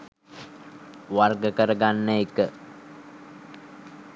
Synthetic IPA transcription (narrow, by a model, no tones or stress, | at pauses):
warɡəkəɾəɡanːəekə